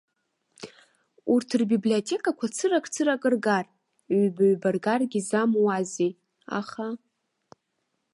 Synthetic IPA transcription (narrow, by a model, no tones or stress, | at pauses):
urtʰɨrbibliotʲʰe̞kʼakʷʰat͡sʰɨrakʼt͡sʰɨɾakʼɨrɡarʷ | baɥbarɡarɡʲizamwaze | a̰χa